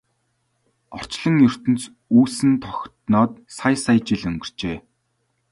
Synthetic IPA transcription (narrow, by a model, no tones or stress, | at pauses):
ɔr̥t͡ɕɮə̆ŋjɵr̥t̪ɘ̆nt͡s | uːsɘ̆nt̪ʰɔxʲt̪nɔːt̪̚sajsajt͡ɕiɮɵ̆ŋɡɵ̆rt͡ɕeː